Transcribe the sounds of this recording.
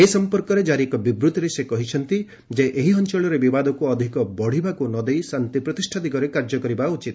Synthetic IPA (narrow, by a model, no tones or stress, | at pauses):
esɔmpɔɾkɔɾed͡ʒaɾikɔbibɾut̪ɔɾesekɔɦit͡ʃʰɔnt̪i | d͡ʒeʔeɦiɔnt͡ʃɔɭɔɾebibad̪ɔkuɔd̪ʱikɔbɔɽ̤ibakunɔd̪ejsant̪ipɾɔt̪isʈʰat̪ikɔɾekaɾd͡ʒɔkɔɾibaut͡ʃit̪